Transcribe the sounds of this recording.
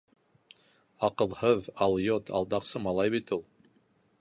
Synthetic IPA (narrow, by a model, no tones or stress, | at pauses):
ɑqɤ̆lˠhɤðɑlˠjot̪ʰɑ̰lˠd̪ɑqsɤmɑlˠɑjβit̪ulˠ